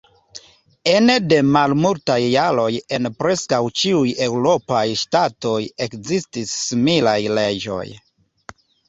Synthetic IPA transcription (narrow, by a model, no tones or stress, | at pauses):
e̞nde̞malmultajːaɾo̞je̞npɾe̞skawt͡ʃiuje̞wɾo̞pajʃtato̞je̞kzistisːimilajle̞d͡ʒo̞̰j